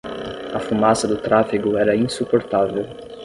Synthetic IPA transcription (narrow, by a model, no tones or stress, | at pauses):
ɐfumasɐd̪ʊt̪ɾafiɡʊɛɾɐĩsupoɾt̪avew